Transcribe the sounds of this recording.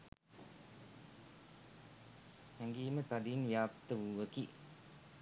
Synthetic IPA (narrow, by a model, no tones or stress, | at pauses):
hɛŋɡiːmət̪adinʋjaːpt̪əʋuʋəki